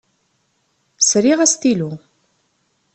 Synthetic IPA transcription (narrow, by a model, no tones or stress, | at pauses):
sɾiʁæst̪ilu